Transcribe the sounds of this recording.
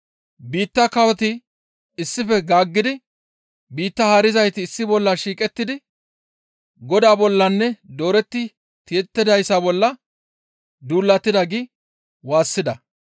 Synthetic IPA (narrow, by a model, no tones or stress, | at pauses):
biːt̪ːɐkɐwɔt̪ɪ | ɪsːɪfɛɡaːɡːɪd̪ɪ | biːt̪ːɐhaɾɪzɐjt̪ɪːsːɪbɔlːɐʃiːkʼɛt̪ːɪd̪ɪ | ɡɔd̪aːbɔlːɐnːɛd̪oːɾɛt̪ːɪ | t̪ɪɛt̪ːɪd̪ɐjsabɔlːɐ | d̪uːlːɐt̪ːɪd̪ɐɡɪ | waːsːɪd̪ɐ